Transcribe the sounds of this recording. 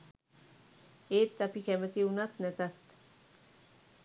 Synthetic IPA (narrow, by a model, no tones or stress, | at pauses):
eːt̪ːapikemət̪iunat̪net̪at̪